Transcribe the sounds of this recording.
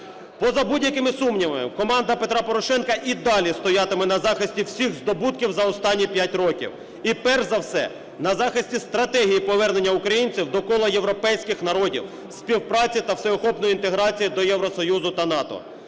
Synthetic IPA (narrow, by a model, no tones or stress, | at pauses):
pɔzɐbudʲjɐkɪmɪsumnʲiʋmɪ̰kɔmɑnd̪ɐpe̞t̪ɾɑpɔɾɔʃɛnkɐʔid̪ɑlʲist̪ɔjɑt̪ɪmɪnɐzɑxɪsʲtʲiwsʲixzd̪ɔbut̪kʲiwzɐɔst̪ɑnʲːipʲjatʲrɔkʲḭw | ipɛrʒzɐwsɛ̰ | nɐzɑxɪsʲtʲist̪ɾɐt̪ɛɦijipɔʋɛrnenʲːɐʊkɾɐjinʲt͡sʲiwd̪ɔkɔlˠɐje̞wɾɔpɛjsʲkɪxn̪ɐɾɔdʲḭw | sʲpʲiwpɾɑt͡sʲit̪ɐwsɛɔxɔpnɔjint̪eɦɾɑt͡sʲijid̪ɔjɛwɾɔsɔjuzʊt̪ɐnɑt̪ɔ̰